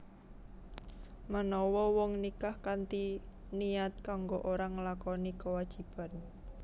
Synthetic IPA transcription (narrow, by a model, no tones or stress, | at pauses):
manɔwɔwɔŋnikahkant̪i | niat̪̚kaŋɡoʔoɾaŋəlakɔnikəwad̥ʒ̥i̤b̥a̤n